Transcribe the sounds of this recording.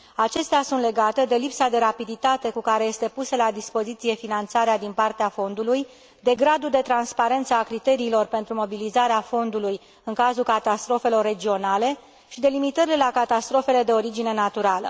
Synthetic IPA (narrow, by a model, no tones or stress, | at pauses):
at͡ʃe̞st̪easunt̪le̞ɡat̪e̞d̪e̞lipsad̪e̞ɾapid̪it̪at̪e̞kukaɾe̞je̞st̪e̞pusəlad̪ispo̞zit̪sije̞finant̪saɾead̪inpart̪eafo̞nd̪uluj | d̪e̞ɡɾad̪uld̪e̞t̪ɾanspaɾe̞nt̪səakɾit̪e̞ɾiːlo̞rpe̞nt̪ɾumo̞bilizaɾeafo̞nd̪uluj | ɨŋkazulkat̪ast̪ɾo̞fe̞lo̞rːe̞d͡ʒio̞nale̞ | ʃid̪e̞limit̪əɾilelakat̪ast̪ɾo̞fe̞le̞d̪e̞o̞ɾid͡ʒine̞nat̪uɾalə̰